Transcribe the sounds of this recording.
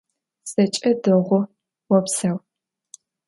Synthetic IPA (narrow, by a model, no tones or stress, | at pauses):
sɐt͡ʃʼɐdɨʁʷʊ | wɔpsɐw